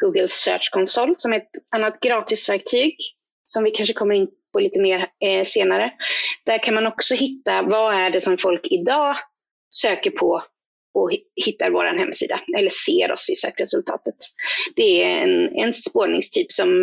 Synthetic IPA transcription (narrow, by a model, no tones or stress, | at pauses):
ɡ̥uːɡəlsø̰ːʂkʰɔnsɔlːsɔmɛɛt̪anːat̪̚ɡɾɑːt̪ɪsvæɾk̚t̪ʰyːɡ | sɔmvɪkʰanʂəkʰɔmːəɾɪnpʰɔliːt̪əmeːɾseːnaɾəd̪̥æɾkʰanmanɔksɔɦɪt̪ːavaæɖɛsɔmfɔlkɪd̪ɑː | søːkəɾpʰɔ | ɔhɪt̪ːa̰ɾvoːɾa̰nhɛmːsḭːd̪a̰ɛlːəʂḛːɾɔ̰sɪsø̰ːkɾɛsɵlt̪ʰɑ̰ːt̪ət̪d̪̥ɛæɛ̰nɛ̰npoːɳɪ̰ŋst̪ʰyːpsɔm